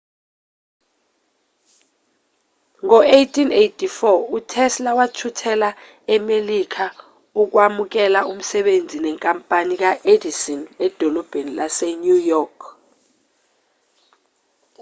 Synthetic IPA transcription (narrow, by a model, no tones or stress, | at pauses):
ŋɔejtʰʼinejtʰʼifɔutʰɛslawatʰutʰɛla | ɛmelikʰa | uk̬wamuk̬ɛlaum̩sɛɓend͡zʱinɛŋkʼampʼanik̬aʔedisɔnɛd̥ʱɔlɔb̥ʱenilaseɲujɔkʰ